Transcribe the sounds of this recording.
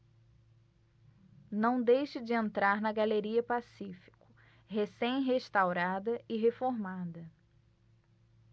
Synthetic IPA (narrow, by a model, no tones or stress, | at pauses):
nɐ̃w̃d̪ejʃɪd͡ʒɪẽnt̪ɾaɾnɐɡaleɾiɐpasifi̥kʊ̥ | hesẽj̃ɦeʃt̪awɾad̪ɐɪɦefoɾmad̪ɐ